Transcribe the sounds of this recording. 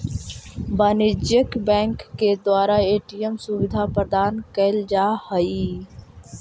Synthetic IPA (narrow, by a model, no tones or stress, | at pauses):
baːnɪd͡ʒjəkbɛ̃ːŋkːed̪waːɾaeːʈijəmsʊʋɪd̪ʱapɾd̪aːnkəɪld͡ʒaːhəi